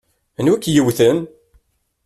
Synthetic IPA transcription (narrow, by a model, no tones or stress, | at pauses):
nwækːjəwθən